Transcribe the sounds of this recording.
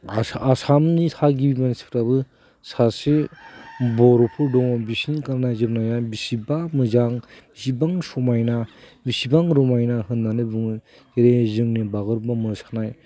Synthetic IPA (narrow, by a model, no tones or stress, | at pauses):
asamnitʰaɡibimanisi̥pʰɾabɯ | sase | bɔɾɔpʰɯɾdɔŋɔbisinikaɾnajzɯpnajabisibamɯzaŋbisibaŋsɔmajnabisibaŋɾɔmajnaɦɯnːanɯbuŋ | teɾezɯŋnibaɡɯɾbamɯɾsḁknaj